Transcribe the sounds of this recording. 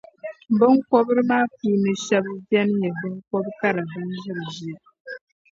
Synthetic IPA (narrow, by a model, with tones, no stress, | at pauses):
bɨ˦ŋ˦kɔ˦bɨ˦ɾɨ˦maː˦p̚uː˦nɨ˨ʃɛ˦bbɛ˦n˦jɛ˨bɨ˦ŋ˦kɔ˦bka˦ɾa˨bɨ˦nd͡ʒɨ˦bɨ˨d͡ʒi˦˨